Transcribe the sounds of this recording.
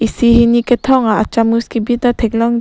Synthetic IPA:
isiɦiniket̪ʰɔŋaʔat͡ʃamuskibit̪at̪ʰɛk̚lɔŋ

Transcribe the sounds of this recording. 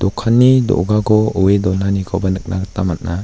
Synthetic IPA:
d̥̪ɔkʰanːidɔ̰ɡaɡɔɔedɔnanikʰɔbanɯk̚naɡət̪amat̚na

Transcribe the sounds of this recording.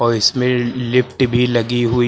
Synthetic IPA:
ɔːɾɪsmẽlɪpʈbʱilɐɡiɦʊi

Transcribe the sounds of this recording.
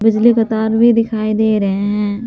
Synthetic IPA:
bɪd͡ʒlikɐt̪aːɾbʱid̪ɪkʰaːid̪eːɾɐɦeɦɛ̃ː

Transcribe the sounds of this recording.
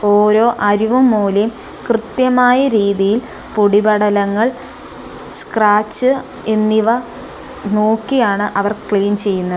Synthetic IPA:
oːɾo̞ːʔɐɾuʋumːuːle | krɨt̪jɐmaːjɐɾiːðijil | puɽibɐɽɐlɐŋːɐɭ | skraːt͡ɕːɨ | e̞nːiʋɐ | no̞ːkːijaːɳɨʔɐʋɐrkɭiːnt͡ɕe̞jːunːɐðɨ

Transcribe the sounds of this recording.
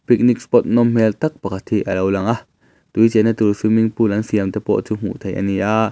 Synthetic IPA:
pik̚nik̚spɔt̪̚nɔmm̥ɛlt̪ɐk̚pakʰat̪hiʔɐlowlɐŋʔaʔ | t̪ujt͡sɛnɐt̪ulsumiŋpulʔɐnsiəmt̪ɛpɔ̰ʔt͡suːm̥ṵʔt̪ʰejʔa̰niʔaʔ

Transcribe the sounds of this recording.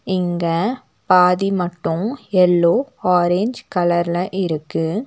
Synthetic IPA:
ɪŋɡɐ | paːðimɐʈːɯ̃mɛlːoːaːɾeɲd͡ʒkɐlɐɾlɐʔɪɾɯkːɯ

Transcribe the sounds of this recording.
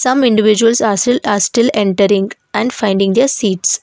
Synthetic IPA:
sʌ̃mɪ̃ɳɖɪʋɪd͡ʒuəlsaːɾsʈɪlaːɾsʈɪlẽɳʈəɾɪ̃ŋɡʔæ̃ɳɖfãɪ̃ɳɖĩŋd̪eɾsiːʈs

